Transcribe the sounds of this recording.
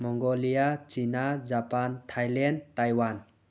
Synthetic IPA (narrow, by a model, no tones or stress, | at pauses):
mɔŋɡɔlijat͡ʃinad͡ʒapantʰajlɛntajwan